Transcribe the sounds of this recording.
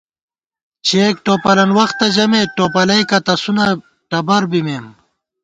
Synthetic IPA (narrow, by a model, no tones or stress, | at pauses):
t͡ɕʰeːk̚ʈoːpɐlɐnwɐxt̪ːɐd͡ʑɐmeʈoːpɐlɐjkɐt̪ɐsunɐ | ʈɐbɐɾbimeːm